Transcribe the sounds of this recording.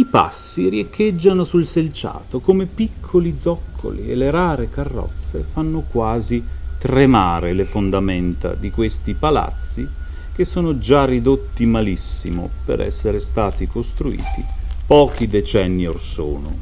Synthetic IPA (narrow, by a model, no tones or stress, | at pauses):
ipa̰sːirjekʰːed͡ʒːanosulselt͡ʃa̰ːt̪okomepikʰːolid̪zɔkʰːo̰liḛleɾaːɾekarːɔ̰t̪sːḛfanːokwaːzit̪ɾemaːɾelefond̪ament̪a̰d̪ikwest̪ipala̰t̪sːi | k̟esːoːnod͡ʒarid̪ot̪ːimalisːimo̰pḛɾʔɛ̰sːeɾest̪aːt̪ikost̪ɾuḭːt̪ipɔːk̟id̪et͡ʃɛnːiorso̰ːno̰